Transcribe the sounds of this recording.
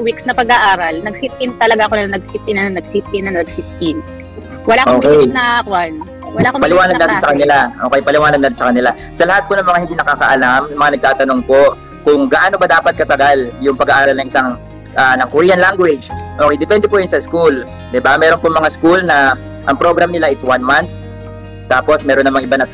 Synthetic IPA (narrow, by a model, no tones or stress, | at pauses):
wiksnɐpɐɡaʔaːɾɐlnɐɡsit̪̚ːɪnt̪ɐlɐɡaʔɐkonɐnɐɡ̚sit̪̚ɪnɐnnɐɡsit̪̚ɪnɐŋnɐɡ̚sit̪̚ːɪn | wɐlaːkʔokɛjnakwan | wɐlaːkopɐlɪwaːnɐd̪ansɐkɐnɪlaʔo̞ːkɛjpɐlɪwaːnɐd̪̚at̪ɪnsɐkɐnɪla | sɐlɐhat̪̚ponɐŋmɐŋahɪnd̪iːnɐkaːkɐʔɐlammɐŋanɐɡ̚t̪aːt̪ɐno̞ŋpo̞ | kʊŋɡɐʔaːnobɐd̪aːpɐt̪̚kɐt̪ɐɡaljʊŋpɐɡaʔaːɾɐlnɐŋʔɪsaŋ | ʔanɐŋkʊɾijɐnlaŋɡwɛd͡ʒʔokɛjd̪ɛpɛnd̪ɛpʊjʊnsɐskul | d̪ɪbamɛːɾopʊŋmɐŋaskulnɐ | ʔɐŋpɾo̞ɡɾamnɪlaʔɪswanmant̪̚ | t̪ːaːpo̞smɛːɾonːɐmaŋʔɪbanɐ